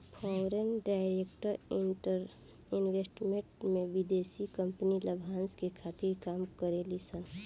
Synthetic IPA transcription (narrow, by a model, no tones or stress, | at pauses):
pʰɔɾenɖaɪɾekʈəɾəɾ | ɪnwesʈmẽʈmẽʋid̪esikə̃mpniləbʱanskekʰat̪iɾkaːmkəɾelisən